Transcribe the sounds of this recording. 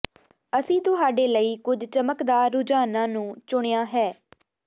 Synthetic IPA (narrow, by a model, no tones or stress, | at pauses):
əsĩːt̪ʊɦaːɖeːləiːkʊd͡ʒt͡ʃəməkd̪aːɾːʊd͡ʒaːnãːnũːt͡ʃʊɽ̃ejaːɦɛː